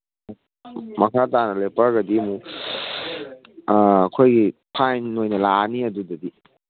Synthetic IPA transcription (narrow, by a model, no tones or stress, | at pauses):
mɐkʰatanɐlepɐɾɡɐdimu | ɐkʰojɡipʰajnːojnɐlaniɐdudɐdi